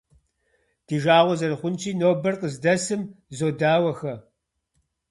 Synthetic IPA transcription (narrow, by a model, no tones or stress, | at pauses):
d̥iːʒaːʁʷɔzɐɾɨχʷʊnt͡ʃʰiːnoːbɐrqʼəzdɐsɨmzoːdaːwɐxɐ